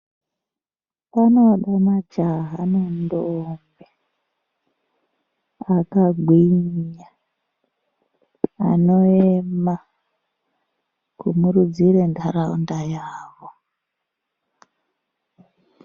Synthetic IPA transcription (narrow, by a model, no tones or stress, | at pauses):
pano̞ɗamad͡ʒaɦanondombe | akaɡʱwiɲa | a̰noema | kumurud͡ziɾentʰaɾaundajaːʋo